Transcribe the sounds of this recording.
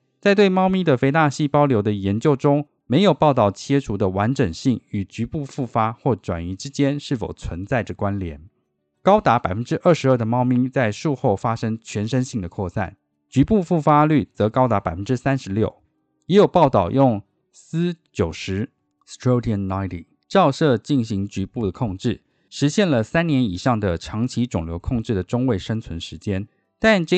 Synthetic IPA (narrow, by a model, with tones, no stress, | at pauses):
t͡sa˥˧ɪt̪we˥˩ɪmɑ˥ʊmi˥˩d̪ə˨fe˧˥ɪt̪a˥˧ɕi˥˩pɑ˥ʊljo˧˥ʊd̪ə˧jɛ˧˥nt͡ɕjo˥˩ʊʈ͡ʂʊ˥ŋ | me˧˥ɪjo˨˩ʊpɑ˥˧ʊt̪ɑ˥˩ʊt͡ɕʰjɛ˥ʈ͡ʂʰu˧˥d̪ə˨wa˧˥nʈ͡ʂə˨˩ŋɕi˥˩ŋy˨˩t͡ɕy˧˥pu˥˧fu˥˩fa˥xwɔ˥˩ʈ͡ʂwa̰˨˩ni˧˥ʈ͡ʂɻ̩˥t͡ɕjɛ˥nʂɻ̩˥˩fo˨˩ʊt͡sʰwə˧˥nt͡sa˥˩ɪʈ͡ʂə˨˩kwa˦nljɛ̰˧˥n | kɑ˥ʊt̪a˧˥pa˨˩ɪfə˦˥nʈ͡ʂɻ̩˥ʔə˞˥˩ʂɻ̩˧˥ə˞˥˩d̪ə˩mɑ˥ʊmi˥ŋt͡sa˥˧ɪʂu˥˧xo˥˩ʊfa˥ʂɤ˥ŋt͡ɕʰɥɛ˧˥nʂə˥nɕi˥˩ŋd̪ə˩kʰwɔ˥˧sa̰˥˩n | t͡ɕy˧˥pu˥˧fu˥˩fa˥ly˥˩t͡sɤ˧˥kɑ˥ʊt̪a˧˥pa˨˩ɪfə˦nʈ͡ʂɻ̩˥sa˥nʂɻ̩˧˥ljo˥˩ʊ | jɛ˧˥jo˨˩ʊpɑ˥˧ʊt̪ɑ˥˩ʊjʔʊ˥˩ŋ | s̩˥t͡ɕjo˨˩ʊʂɻ̩˧˥ | stʰɹo˥ti˧˩ə˨˩nna˥ɪti˨˩ | ʈ͡ʂɑ˥˧ʊʂɤ˥˧t͡ɕi˥˩nɕi˧˥ŋt͡ɕy˧˥pu˥˩d̪ə˩kʰo˥˧ŋʈ͡ʂɻ̩˥˩ | ʂɻ̩˧˥ɕjɛ˥˩nlə˩sa˥njɛ˧˥ni˨˩ʂɑ˥˩ŋd̪ə˩ʈ͡ʂʰɑ˧˥ŋt͡ɕʰi˧˥ʈ͡ʂʊ˨˩ŋljo˧˥ʊkʰo˥˧ŋʈ͡ʂɻ̩˥˩d̪ə˩ʈ͡ʂʊ˥ŋwe˥˩ɪʂə˥ŋt͡sʰwə˧˦nʂɻ̩˧˥t͡ɕjɛ˥n | t̪a˥˧nʈ͡ʂ